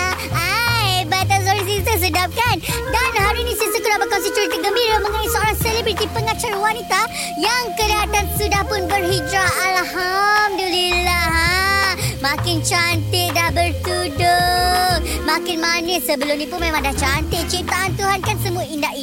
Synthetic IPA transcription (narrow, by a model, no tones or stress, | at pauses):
ajbat̪as̬ɔɾis̬ist̪əs̬ədap̚kandanhaɾinĩsisəkunabəkɔnsit̪uɾit̪iɡəmbiɾəmə̃ŋanisəoɾaŋselibɾit̪ipəŋat͡ʃarwanit̪a | jaŋkəliɦat̪ansudahpʊnbərhid͡ʒɾaːlhamdəlilaɦa | mãkɪnt͡ʃant̪ɪʔdahbərt̪udʊŋmãkɪnmanəsəbəlʊmnipʊnmẽmãŋdaht͡ʃant̪ɪʔt͡ʃit̪aʔant̪uɦankansəmuaindaʔi